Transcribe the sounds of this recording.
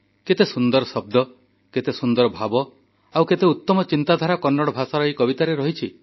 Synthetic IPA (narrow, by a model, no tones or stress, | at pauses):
ket̪esund̪ɔɾɔsɔb̚d̪ɔ | ket̪esund̪ɔɾɔbʱabɔ | awket̪eut̪ːɔmɔt͡ʃint̪ad̪ʱaɾakɔnːɔɽɔbʱasaɾɔɦikɔbit̪aɾeɾɔɦit͡ʃʰi